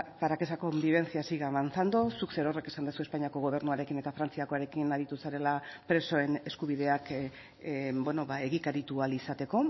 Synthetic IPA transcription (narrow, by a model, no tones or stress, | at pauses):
paɾakesako̞mbiβe̞nt͡siasiɣamant͡sand̪osukse̞ɾo̞re̞ke̞sand̪sue̞spaɲiako̞ɣo̞β̞e̞ɾnuaɾe̞kine̞t̪afɾant͡siako̞aɾe̞kinaɾit̪usaɾe̞lapɾe̞so̞e̞ne̞skuβ̞iðe̞ak | bweno̞βae̞ɣikaɾit̪ualisat̪e̞ko̞